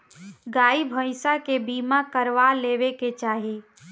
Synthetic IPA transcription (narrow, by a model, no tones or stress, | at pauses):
ɡaːibʱəɪsakebiːmakəɾʋaleːʋeket͡ʃaːɦi